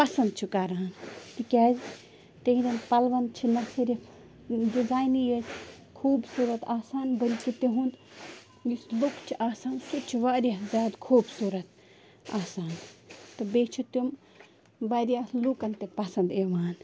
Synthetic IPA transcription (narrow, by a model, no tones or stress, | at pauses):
pɐsɐnd̪̚t͡ʃʰukaːɾaɦɐnt̪ikʲaːz | t̪eɦiɾɐnpɐlʋɐnt͡ʃʰinɐsɐɾʲi | dizaːjnjet | kʰuːbsuːɾɐt̪aːsaːnbɐlʲkit̪eɦund̪ | jislukt͡ʃʰiʔaːsaːnsut͡ʃʰiʋaːɾizʲaːd̪kʰuːbsuːɾɐt̪ | aːsaːnt̪ɐbeːt͡ʃʰut̪um | bɐɾijaːslukɐnt̪epɐsɐnd̪eːʋaːn